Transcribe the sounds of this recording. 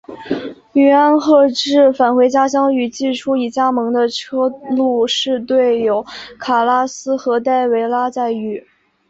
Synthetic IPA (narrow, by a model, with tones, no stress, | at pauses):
y˨˩a˥nxɤ˥˧ʈ͡ʂɻ̩˥˩fa˨˩nxwe˧˥ɪt͡ɕja˥ɕ̬jɑ˥ŋy˨˩t͡ɕi˥˩ʈ͡ʂʰu˥i˧˥˩t͡ɕja˥mɤ˧˥ŋd̪ə˧ʈ͡ʂʰɤ˥lu˥˧ʂɻ̩˥˧t̪we˥˩ɪjo˧˥ʊkʰa˨˩la˥sɹ̩˥xɤ˧˥t̪a˥˩ɪwe˧˥ɪla˥t͡sa˥˩ɪy˨˩˦